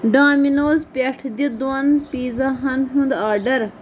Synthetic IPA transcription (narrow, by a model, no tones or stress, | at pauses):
ɖaːminoːzpeʈʰd̪id̪oanpiːzɐɦɐnɦund̪aːɖɐɾ